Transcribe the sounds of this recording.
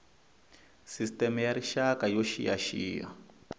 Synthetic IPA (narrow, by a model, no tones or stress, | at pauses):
sistɛmjaɾiʃakajɔʃijaʃiːa̰